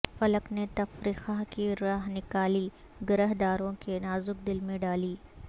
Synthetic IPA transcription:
fɐləknet̪ɐfɾiːxakiɾaːɦnɪkaːli | ɡɐɾəɦd̪aːɾõkenaːzʊk̚d̪ɪlmẽɖaːliː

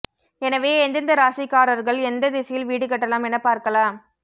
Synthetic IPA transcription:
ɛnɐʋeːɛnd̪ɐnd̪ɐɾaːsɪkːaːɾɐɾɣɐɭɛnd̪ɐðɪsɐjɪlʋiːɽɯkːɐʈːɐlaːmɛnɐpːaːɾkɐlaːm

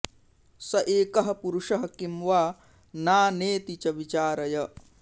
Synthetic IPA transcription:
sɐʔeːkɐɦɐ̆puɾuʂɐɦɐkimʋaː | naːneːt̪it͡ʃɐʋit͡ʃaːɾɐjɐ

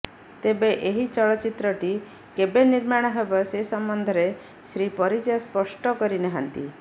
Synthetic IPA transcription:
t̪ebeʔeɦit͡ʃɔɭɔt͡ʃit̪ɾɔʈi | kebeniɾmaɽ̃ɔɦebɔsesɔmbɔnd̪ʱɔɾe | sɾipɔɾid͡ʒaspɔsʈɔkɔɾinɛɦant̪ḭ

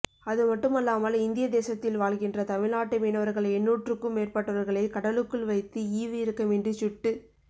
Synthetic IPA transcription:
ɐðɯmɐʈːɯmɐlːaːmɐlɪnd̪ɪjɐd̪eːsɐt̪ːɪlʋaːlɣɪndrɐt̪ɐmɪɭnaːʈːɐmiːnɐʋɐɾɣɐɭɛnːuːʈrɯkːɯmːeːrpɐʈːɐʋɐɾɣɐɭɐɪkɐɽɐlɯkːɯɭʋɐɪt̪ːɯiːʋɯjɪɾɯkːɐmɛndrɯt͡ʃʊʈːɯ

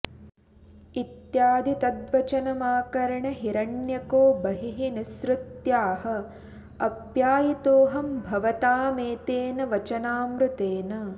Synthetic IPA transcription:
it̪jaːd̪it̪ɐd̪ʋɐt͡ʃɐnɐmaːkɐɾɐɳɐɦiɾɐɳjɐkoːbɐɦiɦinisɾut̪jaːɦɐ̆ | ɐpjaːjit̪oːɦɐmbʱɐʋɐt̪aːmeːt̪eːnɐʋɐt͡ʃɐnaːmɾut̪eːnɐ

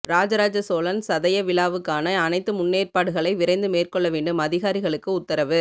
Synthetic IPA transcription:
ɾaːd͡ʒɐɾaːd͡ʒɐsoːlɐnsɐðɐjɐʋɪlaːʋɯkːaːnɐːnɐɪt̪ːɯmʊnːeːrpaːɽɯɣɐɭɐɪʋɪɾɐɪnd̪ɯmeːrkɔɭːɐʋeːɳɖɯmɐðɪɣaːɾɪɣɐɭɯkːɯʊt̪ːɐɾɐʋɯ

